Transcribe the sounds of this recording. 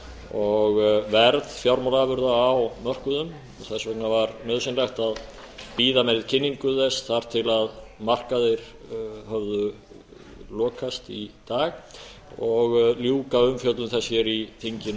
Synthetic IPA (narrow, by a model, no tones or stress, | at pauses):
ɔɣvɛɾðfjawɾmalavʏɾðaːwmœr̥kʏðʏm | ɔθɛsvɛknavaɾmɛðsinlajxt̪að | piːðamɛɾɪðcʰɪnːiŋkʏðɛsθaɾ̥t̪ʰɪlaðmar̥kaðɪɾ̥ | hœvðʏ | lɔːkʰast̪it̪aːɣ | ɔɣljuːkaʏmfjœt̪ʏmθɛsjɛɾiθʰiɲcɪn